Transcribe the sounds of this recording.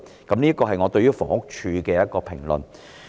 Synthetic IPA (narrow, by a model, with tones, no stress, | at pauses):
kɐ˨˦mniː˥kɔː˧ɦɐ˨jŋɔː˨˧t̪ɵ˧ɥjyː˥fɔ̰ː˨˩ŋʊ˥k̚t͡ʃʰyː˧kɛː˧jɐ˥t̚kɔː˧pʰɪ˨˩ŋlɵ̰˨˩n